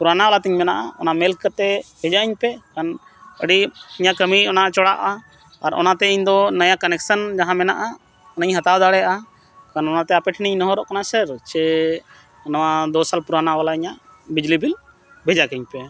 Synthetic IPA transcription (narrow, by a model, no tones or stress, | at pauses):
puɾanawalat̪iɲmɛnaʔaɔnamɛlkkət̪ɛbɛd͡ʒaiɲpɛkan | əɽiiɲaʔkəmiɔnaʔt͡ʃɔɽaʔa | aɾɔ̰nat̪ɛiɲd̪ɔnajakənɛk̚sənd͡ʒaɦãmɛnaʔa | ɔnəɲɦat̪awd̪aɽɛjʔa | kanɔnat̪ɛapɛʈʰniɲnɔɦɔɾɔʔkanasəɾt͡ʃɛ | nawad̪ɔsalpuɾanawalaiɲaʔbid͡ʒlibil | bɛd͡ʒakəɲpɛ